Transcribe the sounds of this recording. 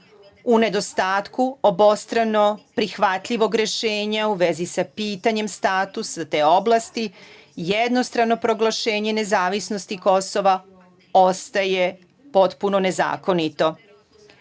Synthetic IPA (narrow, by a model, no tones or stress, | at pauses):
une̞d̪o̞st̪aːt̪kuobo̞st̪ɾano̞pɾixʋat̪ʎiʋo̞ɡɾe̞ʃeːɲauʋe̞zisapiːt̪aɲe̞mst̪aːt̪usat̪eːo̞blˠast̪i | jed̪no̞st̪ɾano̞pɾo̞ɡlˠaʃe̞ːɲe̞ne̞zaːʋisno̞st̪iko̞so̞ʋa | ost̪aje | po̞t̪puno̞ne̞za̰ːko̞nit̪o̞